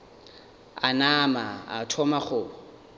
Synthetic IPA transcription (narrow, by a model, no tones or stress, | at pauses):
a̰namaa̰tʰɔmaχʊ